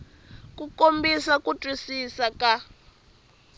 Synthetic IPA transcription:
kukombisakutʼwisisaka

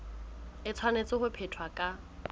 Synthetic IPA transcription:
ɪt͡sʰwanet͡sɪχʊpʰetʰwakʼa

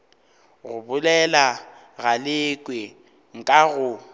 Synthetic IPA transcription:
ɣʊbʊlɛla | ɣalɪkʼwe | ŋ̩kʼaɣʊ

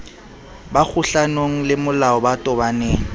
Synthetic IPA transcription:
bak͡xʰuɬanoŋ̩lɪmʊlaɔbatʼɔbaneːŋ̩

